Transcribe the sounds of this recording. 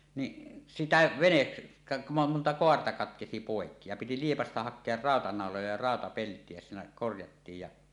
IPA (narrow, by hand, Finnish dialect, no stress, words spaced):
ni sitæ ʋenet kɑ montɑ koɑrtɑ kɑtkesi poˑekːi jɑ piti liepɑstɑ hɑkˑeɑr rɑˑotɑnɑˑolojɑ jɑ rɑˑotɑpeltˑie jɑ siːnæ korjɑtːiːj jɑ